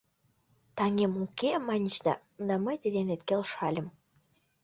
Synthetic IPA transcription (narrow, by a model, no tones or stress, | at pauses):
t̪ɑŋʲemukʲemanʲiʃd̪ɑ̰ | d̪amət̪ʲed̪ʲenet̪kʲelˠʃɑlʲəm